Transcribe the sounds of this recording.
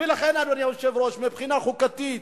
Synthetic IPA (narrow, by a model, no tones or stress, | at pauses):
velaχenanuaniaoʃevɾoʃmipχinaχukat̪it̪̚